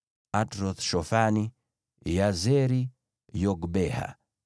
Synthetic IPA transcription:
atɾɔθʃɔfani | jazɛɾi | jɔɡbɛha̰

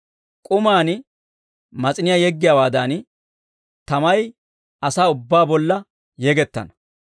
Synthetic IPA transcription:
kʼʊmaːn | mɐt͡sʼɪnɪjaːjɛɡːɪjawaːd̪ɐn | t̪ɐmɐj | ʔɐsaːʊbːaːbɔlːɐ | jɛɡɛt̪ːɐ̰nɐ̥

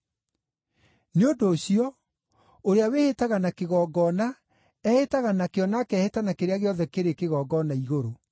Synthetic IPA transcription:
neondoːɕjɔ | oɾeawehetaɣanakeɣɔːɡɔna | ɛhetaɣanakeɔnakɛhetanakeɾeaɣeɔðɛkeɾekeɣɔːɡɔnaiɣoɾo

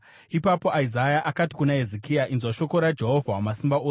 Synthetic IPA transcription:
ipapo̞ʔaizajaʔakati̥kunaɦezekijaʔinzwaʃo̞ko̞ɾad͡ʒe̞ɦo̞vʱawamasimbaoːs

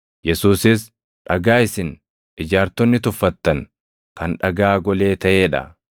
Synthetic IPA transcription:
jɛsuːsɪs | ᶑɐɡaːɪsɪn | ɪd͡ʒaːɾt̪ɔnːɪt̪ʊfːɐt̪ːɐŋ | kɐnᶑɐɡaːɡɔle̞ːt̪ɐʔeːᶑɐ̰

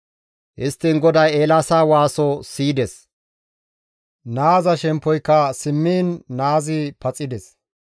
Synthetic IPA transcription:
ʔɪst̪ːɪŋɡɔd̪ɐjeːlaːsaːwaːsɔsiːd̪ɛs | naːzɐʃɛmpːɔjkːɐsɪmːiːnːaːzɪpɐt͡sʼɪd̪ɛs

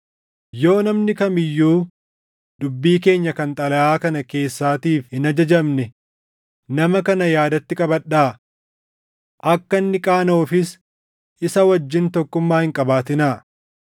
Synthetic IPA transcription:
jo̞ːnɐmnɪkɐmɪjːuː | d̪ʊbːiːk̬e̞ːɲːɐkɐnt̪ʼɐlɐʔaːkɐnɐke̞ːsːaːt̪iːfhɪnɐd͡ʒɐd͡ʒɐmnɛ | nɐmɐkɐnɐjaːd̪ɐt̪ːɪkʼɐbɐɗaː | ʔɐkːɐnːɪkʼaːnoːfɪs | ʔɪsɐwɐd͡ʒːɪnt̪ɔkːʊmːaːhɪŋkʼɐbaːt̪ɪnaː

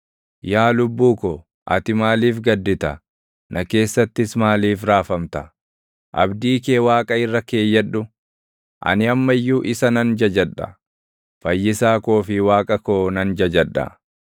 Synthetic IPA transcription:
jaːlʊbːuːkoː | ʔɐ̰t̪ɪmaːliːfɡɐd̪ːɪt̪ɐ | nɐke̞ːsːɐt̪ːɪsmaːliːfɾaːfɐmt̪ɐ | ʔɐ̰bd̪iːkeːwaːkʼɐɪrːɐke̞ːjːɐᶑːʊ | ʔɐ̰nɪɐmːɐjːuːʔɪsɐnɐnd͡ʒɐd͡ʒɐᶑːɐ̰ | fɐjːɪsaːko̞ːfɪwaːkʼɐko̞ːnɐnd͡ʒɐd͡ʒɐᶑːɐ̰

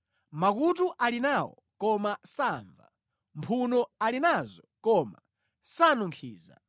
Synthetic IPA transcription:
makutuʔalinawɔ̰ | kɔmasaɱva̰ | mpʰunɔalinazɔkɔma̰ | sanuŋkʰiːza̰

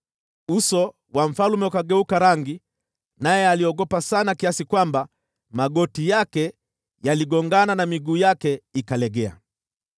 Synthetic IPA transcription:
usɔ | waɱ̩falumɛukaɡɛukaɾaŋɡi | najɛaliɔɠɔpasanakiasikwamba | maɠɔtijakɛ | jaliɡɔŋɡananamiɡuːjakɛikalɛɡɛa̰

